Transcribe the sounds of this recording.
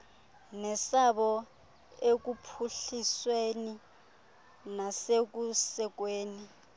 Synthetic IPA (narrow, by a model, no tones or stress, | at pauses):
nɛsaɓɔ | ek̬upʰuɬisweni | nasek̬usɛk̬weːni